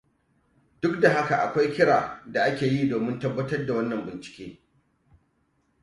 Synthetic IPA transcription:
d̥ʊ˦kda˨ɦa˦ka˨ʔa̰˨kʷa˦jkʲɪ˦ɽaː˨da˨ʔa˦kʲeː˨jiː˦doː˨mɪ˦ntɐ˦bːɐ˦tɐ˦rda˨wɐ˦nːɐ˨mbɪ˨nt͡ʃɪ̥˨kʲḛː˦

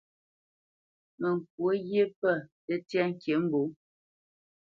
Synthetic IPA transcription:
mə˨ŋ˨k̚wo˦ɣje˦pɛ˦˨tə˦tja˦ŋ̩˦˨kje˨˦m̩˦bo˨˦

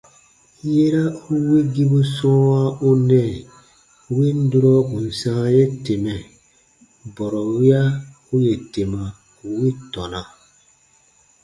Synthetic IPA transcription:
je˦ɾa˦u˦wi˦ɡi˦bu˦sɔ̃˦wa˦u˦nɛ̃˦˨ | wi˦n̩˦du˦ɾɔ˦bũ˨n̩˨sã˦je˦te˨mɛ˨ | bɔ˨ɾɔ˨wi˦a˦ | u˦je˨te˨ma˨ | u˨wi˦tɔ˨na˨

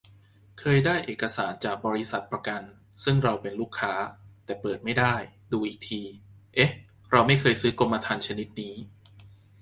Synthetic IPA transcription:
kʰɤː˧jdaː˥˩jʔeː˨˩ka˧saː˩˦nt͡ɕaː˨˩k̚bɔː˧ɾi˦˥sa˨˩t̪̚pɾa˧ka˧n | sɯ˥˩ŋɾa˧wpe˧nluː˥˩kʰːaː˦˥t̪ɛː˨˩pɤː˨˩t̪̚ma˥˩jdaː˥˩jduː˧ʔiː˨˩k̚t̪ʰiː˧ | ʔe˦˥h | ɾa˧wma˥˩jkʰɤː˧jsɯː˦˥ko˧mːa˧t̪ʰaː˧nt͡ɕʰa˧ni˦˥t̪̚niː˦˥

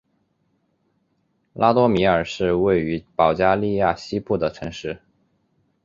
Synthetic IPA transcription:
lʔa˥t̪wɔ˥mi˧˥ə˞˨˩ʂɻ̩˥˧we˥˩ɪy˧˥pɑ˨˩ʊt͡ɕja˥li˥˧ja˥˩ɕi˥pu˥˩d̪ə˩ʈ͡ʂʰɤ˧˥ŋʂɻ̩˥˩

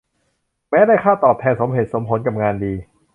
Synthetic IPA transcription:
mɛː˦˥daː˥˩jkʰaː˥˩wt̪ɔː˨˩p̚t̪ʰɛː˧nso˩˦mhe˨˩t̪̚so˩˦mpʰo˩˦nka˨˩p̚ŋaː˧ndiː˧

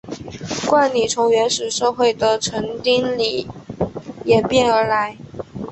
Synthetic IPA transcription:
kwa˥˩nli˨˩t͡sʰʊ˧˥ŋɥɛ˧˥nʂɻ̩˨˩ʂɤ˥˧xwe˥˩ɪd̪ə˩ʈ͡ʂʰɤ˧˥ŋt̪i˥nli˨˩ | jɛ˨˩pjɛ˥˩nə˞˧˥la˧˥ɪ

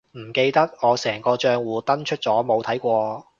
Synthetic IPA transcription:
m̩˨˩ke˧jt̪ɐ˥k̚ŋɔː˨˧sɛː˨˩ŋkɔː˧t͡ʃœː˧ŋwuː˨˧t̪ɐ˥nt͡ʃʰɵ˥t̚t͡sɔː˨˥mo˨˧wt̪ʰɐ˨˥jkʷɔː˧

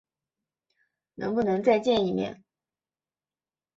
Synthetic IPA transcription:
nʔɤ̰˧˥ŋpu˥˩nɤ˧˥ŋt͡sa˥˧ɪt͡ɕjɛ˥˧ni˥˩mjɛ̰˥˧˩n

